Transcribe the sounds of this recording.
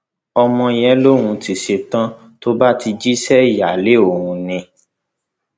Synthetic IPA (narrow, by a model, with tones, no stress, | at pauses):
ɔ˧mɔ̃˧˨j̃ɛ̃˦lo˦ɾ̃ũ˧ti˨ʃe˧tã˦ | to˦ba˦ti˧d͡ʒi˦sɛ˦i˨ja˨le˨˦o˦˨w̃ũ˧nĩ˧